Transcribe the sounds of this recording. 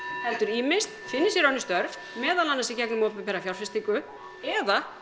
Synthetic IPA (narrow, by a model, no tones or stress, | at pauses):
hɛlt̪ʏɾiːmɪst̪fɪnːɪsjɛɾœɥnːɪst̪œɾf | mɛːðalanːasicɛknʏmɔːpʏɪmpɛɾafjawɾ̥fɪst̪ikʏ | ɛða